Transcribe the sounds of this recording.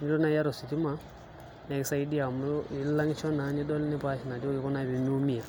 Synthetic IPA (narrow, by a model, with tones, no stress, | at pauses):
ni˦ɾɔ˦na˦i˦ja˦ɾɔ˨si˨ti˦ma˦ | na˨ɛ˨ksa˦i˦di˦a˨m˦i˨˦la˦ŋ˦t͡ʃɔ˦na˨ɲi˦dɔ˦lni˦pa˦ʃi˨na˨ti˦ɔ˦ki˦kɔ˦na˦βi˨m˦u˦mi˦a˨